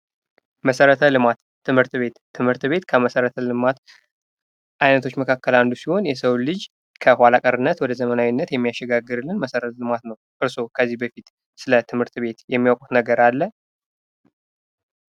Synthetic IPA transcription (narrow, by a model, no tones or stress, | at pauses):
məsəɾət̪ʰəlɨmat̪ːɨmhɨɾt̪be̞t̪ʰːɨmhɨɾt̪be̞t̪kʰəməsəɾət̪ʰəlɨmat̪ | ʔajnət̪ʰo̞t͡ʃːməkʰakːəland̪usiho̞njɛsəwlɨd͡ʒ | kʰəhʷwʷalakʼəɾɨnːət̪wɔd̪əzəmənawinːət̪jɛmːijaʃːɛɡaɡɨɾɨlːɨnməsəɾət̪lɨmat̪nəwʔɨɾso̞kʰəzːihbəfit̪ | sɨlət̪ʰɨmhɨɾt̪be̞t̪jɛmːiwakʼu̥t̪nəɡəɾalːə